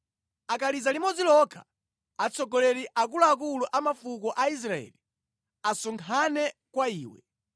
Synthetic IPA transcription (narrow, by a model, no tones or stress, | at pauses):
akalizalimɔd͡zilɔkʰḁ | at͡sʰɔɡɔlɛɾiʔakuluakuluʔamafukɔʔais̬ɾaɛ̰li | asɔŋkʰanɛkwaiːwɛ̰